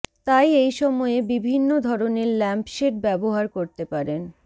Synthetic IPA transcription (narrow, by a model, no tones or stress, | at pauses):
t̪ajejʃɔmɔebibʱinːod̪ʱɔɾoneɾlɛmpʃeʈ̚bɛboɦaɾkoɾt̪epaɾen